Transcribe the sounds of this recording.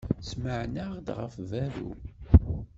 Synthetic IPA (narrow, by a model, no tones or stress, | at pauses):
sməʕnaʁd̪ʁə̰fvæɾṵ